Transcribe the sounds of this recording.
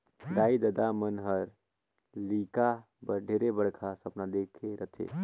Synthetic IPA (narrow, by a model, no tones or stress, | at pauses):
d̪aːid̪əd̪amənɦəɾ | lika | bəɖʱeɾebəɽkʰasəpnad̪ekʰeɾət̪ʰḛ